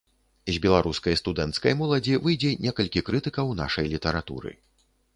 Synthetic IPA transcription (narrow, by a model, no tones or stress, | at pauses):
zʲbʲɛlˠaɾuskɐjst̪ud̪ɛnt̪skɐjmɔlˠɐd͡zʲivɨjd͡zʲɛnʲɛkɐlʲkʲikɾɨt̪ɨkɐwna̰ʂɐjlʲit̪ɐɾat̪ṵɾɨ̰